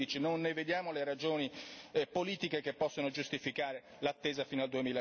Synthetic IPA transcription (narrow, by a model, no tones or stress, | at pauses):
it͡ʃinonːeved̪jaːmoleɾad͡ʒoːnipoliːt̪ikekepːɔsːonod͡ʒust̪ifikaːɾe | lat̪ːeːzafiːnald̪uemiːla